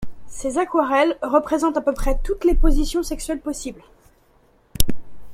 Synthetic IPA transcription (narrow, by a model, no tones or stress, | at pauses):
sezakwaʁɛlʁəpχezɑ̃t̪apøpχɛt̪ut̪lepozisjɔ̃sɛksɥɛlpɔsibl